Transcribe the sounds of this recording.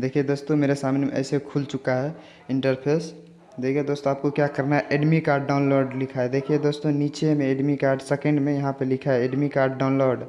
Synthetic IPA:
d̪ekʰied̪oːst̪omeɾesamnemḛʔə̰ɪsekʰult͡ʃukaɦɛ | iɳʈəɾpʰes | d̪ekʰied̪oːst̪oaːp̚kokjakəɾnaɦɛʔeɖmikaːɾɖːaʊ̃nloɾɖlikʰaɛd̪ekʰied̪oːst̪onit͡ʃemẽeɖmikaːɾɖsekẽɳɖmẽjəɦãpəlikʰaɦɛeɖmikaːɾɖ̚ɖaʊ̃nloɾɖ

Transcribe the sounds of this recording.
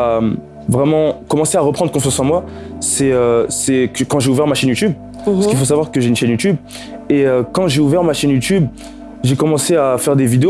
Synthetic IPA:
am | vʁɛmɑ̃kɔmɑ̃seaʁəpχɑ̃d̪ʁəkɔ̃fjɑ̃sɑ̃mwasɛøsɛkkɑ̃ʒeuvɛʁmaʃɛnjut̪yb | səkilfos̬avwaʁkəʒeynʃɛnjut̪yb | eøkɑ̃ʒeuvɛʁmaʃɛnjut̪yb | ʒekɔmɑ̃seafɛʁd̪evid̪eo

